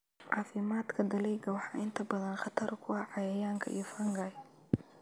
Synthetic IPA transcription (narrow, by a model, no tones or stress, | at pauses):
ʕɑːfɪmaːd̪kʰɐd̪ɐlɛjɡɐwɑħɑːʔɪnt̪ʰɐbɐðɐnχɑt̪ʰɐɾkʰʊɐʕɑjɐjaːŋkʰɐʔḭjɔfɐŋɡɐ